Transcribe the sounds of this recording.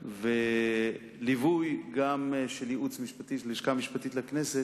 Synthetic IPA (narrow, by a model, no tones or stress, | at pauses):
ve | livujɡamʃeljeʔut͡smiʃpat̪iliʃkamiʃpat̪it̪lekneset